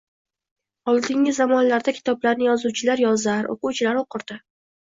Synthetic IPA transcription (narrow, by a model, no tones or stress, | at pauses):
ɒlˠd̪ɪŋɪzːamɒnlaɾd̪akʲʰɪ̥t̪ʰɒblaɾnɪjɒzuwt͡ʃʰɪlaɾjɒzaɾo̰qʊwt͡ʃʰɪlaɾoqʰɨɾd̪ɪ